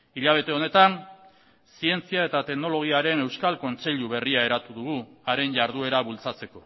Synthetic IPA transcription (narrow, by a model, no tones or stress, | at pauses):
iʎaβ̞e̞t̪e̞one̞t̪an | sie̞nt͡siae̞t̪at̪e̞kno̞lo̞ɣiaɾe̞ne̞wskalko̞nt͡se̞ʎuβe̞riae̞ɾat̪uðuɣuaɾe̞nʝaɾðue̞ɾaβult͡sat͡se̞ko̞